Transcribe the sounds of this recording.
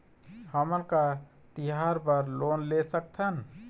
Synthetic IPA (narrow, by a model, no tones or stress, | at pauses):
həmənka | t̪iɦaɾpəɾlonlesək̚t̪ʰən